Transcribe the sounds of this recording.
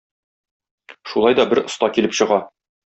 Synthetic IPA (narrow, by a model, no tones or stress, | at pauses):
ʃulˠɑjd̪ɒbɘɾŏst̪ɑkilɘpɕɤ̆ʁɑ